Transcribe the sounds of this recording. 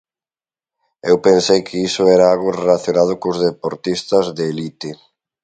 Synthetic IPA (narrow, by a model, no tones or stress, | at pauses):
ewpensejkʰɪisʊɛɾaaɣʊrelaθjonað̞ʊkʊzðepoɾt̪ist̪ɐzðeːlit̪e